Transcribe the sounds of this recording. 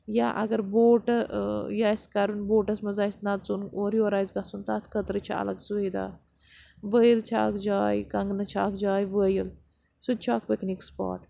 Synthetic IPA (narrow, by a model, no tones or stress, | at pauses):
jaʔɐ̰ɡɐɾboːʈjaːskɐɾunboːʈɐsmɐzaːisʲnat̪t͡sunoːɾjoːɾaːjzɡasunt̪at̪ʰkʰət̪ɾɨt͡ʃʰiɐ̰lɐɡsued̪a̰ː | ʋəjilt͡ʃʰa̰ːkd͡ʒaːjkɐŋɡnɐt͡ʃʰaːkd͡ʒaːjʋəːjil | sud̪̚t͡ʃʰaːk̚peknikspa̰ːʈ